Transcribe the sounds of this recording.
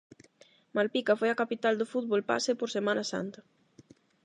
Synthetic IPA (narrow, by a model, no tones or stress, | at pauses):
malpikafojakapit̪ald̪ofuð̚βolpa̰sepoɾsemanasa̰nt̪ɐ